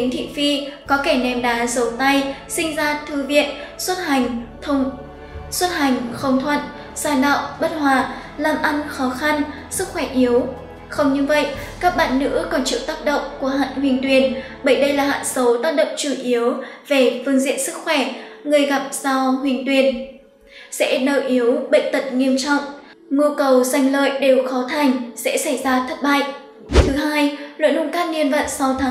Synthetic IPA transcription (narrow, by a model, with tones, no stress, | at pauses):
ï˨˦ŋt̪ʰḭ˧˨fi˧kɔ˨˦ke˧˩nɛ˨˩mɗaː˨˦zə˨˦wt̪a˧jsï˧ŋ̟zaː˧t̪ʰɨ˨˩vḭ˧˨ənswə˦˥t̚ha˨˩jŋ̟t̪ʰə˧wŋ͡m | swə˦˥t̚ha˨˩jŋ̟xə˨˧˦wŋ͡mt̪ʰwə˧˨n | zaː˧˩ɗa̰ː˧˨wŋ͡mɓə˦˥t̚hwaː˧˩˨ | laː˨˩mʔa˧nxɔ˨˦xa˧n | sɨ˦˥k̚xwɛ˧˩ʔi˨˦əw | xə˧wŋ͡mɲɨ˧və̰˧˨jʔkaː˦˥k̚ɓa̰ː˧˨nːɨ̰˧˥kɔ˨˦nt͡ɕɨ̰˧˨t̪aː˦˥p̚ɗə̰˧˨wŋ͡mku˧˩əɦa̰ː˧˨nhwi˨˩əŋt̪wi˨˩ən | ɓə˧˩jɗə˧jlaː˨˩ɦa̰ː˧˨nsə˨˦wt̪aː˦˥k̚ɗə̰˧˨wŋ͡mt͡ɕu˧˩ʔi˨˦əwve˨˩fɨ˧əŋzḭ˧˨ənsɨ˦˥k̚xwɛ˧˩ŋɨ˨˩əjɣa˨˩p̚z̥a˧hwi˨˩əŋt̪wi˨˩ən | sɛ̰˧˥ɗəː˧˩jʔi˨˦əwɓə̰˧˨jŋ̟t̪ə˨˩t̚ŋi˧əmt͡ɕɔ̰˧˨wŋ͡m | ŋu˧kə˨˩wza˨˧˩jŋ̟lə̰ː˧˨jɗe˨˩wxɔ˨˦t̪ʰa˨˩jŋ̟sɛ̰˧˥sa˧˩jzaː˧t̪ʰə˦˥t̚ɓa̰ː˧˨jʔ | t̪ʰɨ˨˦ɦaː˧jlwə̰˧˨nʔʊ˧˩ŋ͡mkaː˦˥t̚ni˧ənvə̰˧˨nsa˧wt̪ʰaː˨